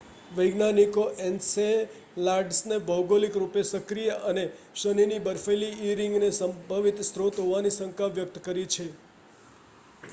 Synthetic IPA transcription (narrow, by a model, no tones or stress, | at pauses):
ʋəjɡnanikoʔense | laɾɖsnebʱəwɡolikɾupesəkɾijəʔəne | ʃəninibəɾfeliːɾɪ̃ŋɡnesəmbʱaʋit̪st̪ɾot̪ɦoʋanisəŋkaʋjək̚t̪kəɾit͡ʃʰe